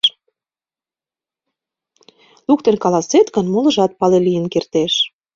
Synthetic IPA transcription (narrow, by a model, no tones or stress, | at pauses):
lukt̪ənkɑlɑset̪kə̆nmulə̆ʒɑt̪̚pɑlelijənkert̪eʃ